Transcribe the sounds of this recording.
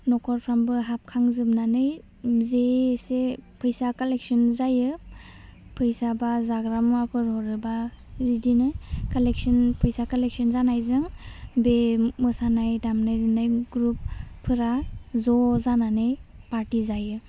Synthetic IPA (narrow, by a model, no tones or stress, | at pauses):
nɔkʰɔɾpʰɾambɯɦap̚kʰaŋzɯp̚nanɯj | zesepʰɯjsakaleksɔnzajɯ | pʰɯjsabazaɡɾamapʰɯɾhɔɾɯba | ɾidinɯkalek̚sɔnpʰɯjsakalek̚sɔnzanajzɯŋbemɯsanajdamnajɾɯnajɡɾupʰːɯɾazɔzananɯjpaɾtizajɯ